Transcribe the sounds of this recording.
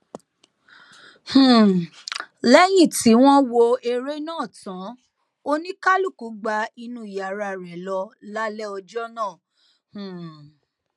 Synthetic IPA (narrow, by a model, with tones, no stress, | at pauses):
h̩˨ | lɛ˦j̃ĩ˦˨ti˨˦w̃ɔ̃˦wo˧e˧ɾe˦nãː˦˨tã˨˦ | o˦nĩ˦ka˦lu˦˨ku˨˦ɡ͡ba˧i˧nũ˧˦i˨ja˨ɾa˧˨ɾɛ˨˦lɔ˧la˦lɛ˦ɔ˧d͡ʒɔ˦nãː˦˨ | h̩˨